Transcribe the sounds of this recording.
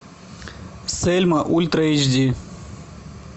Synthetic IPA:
selʲmɐʔulʲt̪ɾɐid͡ʑd̪ʲi

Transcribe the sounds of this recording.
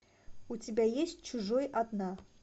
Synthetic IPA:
utʲɪbʲæjesʲt̚ʲt͡ɕuʐojʔɑd̪nɑ

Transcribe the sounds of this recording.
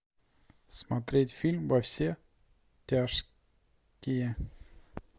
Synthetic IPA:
smɐt̪ɾʲetʲfʲilʲmvɐfsʲe | tʲaʂ | kʲɪjə

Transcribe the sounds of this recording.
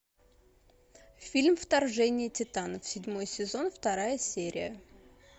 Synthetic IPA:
fʲilʲmft̪ɐrʐɛnʲɪjɪtʲɪt̪anəfsʲɪdʲmo̞jsʲɪzo̞nft̪ɐɾajəsʲeɾʲɪ̰jə

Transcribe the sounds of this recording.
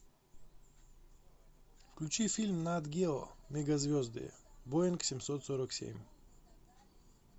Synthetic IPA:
fklʲut͡ʃifilʲmnad̪ɡʲelˠɔ̰mʲɛɡɐzvʲɔzd̪ɨ̰boɛnksʲimsɔt̪sɔɾəksʲḛmʲ

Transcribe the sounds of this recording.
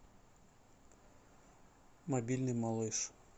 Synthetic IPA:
mɐbʲilʲnɨjmɐlˠɨʂ

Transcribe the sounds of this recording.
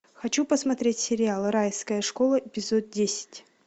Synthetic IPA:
xɐt͡ɕupəsmɐt̪ɾʲetʲsʲɪɾʲɪalˠɾajskəjəʂkolˠəpʲɪzot̪̚dʲesʲɪ̥tʲ

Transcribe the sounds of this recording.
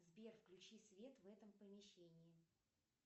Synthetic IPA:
zbʲerfklʲʉt͡ɕisvʲe̞t̪vɛt̪əmpəmʲɪɕːenʲɪɪ

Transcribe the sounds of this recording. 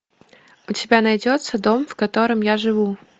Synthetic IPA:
ʊtʲɪbʲanɐjdʲo̞t̪səd̪o̞mfkɐt̪o̞ɾɨmjaʐɨvu

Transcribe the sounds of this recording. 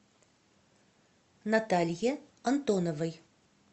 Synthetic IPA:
nɐt̪alʲje | ɐnt̪onɔvəj

